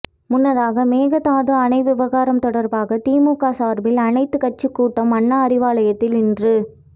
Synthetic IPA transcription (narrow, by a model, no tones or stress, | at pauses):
mʊnːɐðaːɣɐmeːɣɐt̪aːðɯɐnɐɪʋɪʋɐɣaːɾɐmt̪ɔɽɐɾbaːɣɐt̪iːmuːkaːsaːɾbɪlɐnɐɪt̪ːɯkɐʈ̚t͡ʃːɯkːuːʈːɐmɐɳːaɐɾɪʋaːlɐjɐt̪ːɪlɪndrɯ